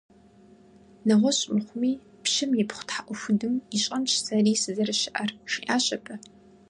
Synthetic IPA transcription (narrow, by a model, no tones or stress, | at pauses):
nɐʁʷɔɕʼɪmχʷʊmiː | pʃɪmjɪpχʷʊ̥tħaʔʷʊxʷʊdɨmiɕʼɐnʃsɐriːsɨzɐrɨɕɪʔɐrʂiːʔaːɕʼɐpʰʼɐ